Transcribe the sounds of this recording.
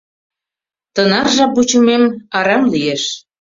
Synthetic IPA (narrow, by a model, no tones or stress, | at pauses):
t̪ənɑrʒɑbut͡ɕə̆memɑɾɑmlijeʃ